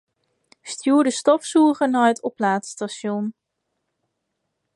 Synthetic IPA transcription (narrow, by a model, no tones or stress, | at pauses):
stjuːɹdəstɔfsuːχənaœətɔplaːtstaʃɔn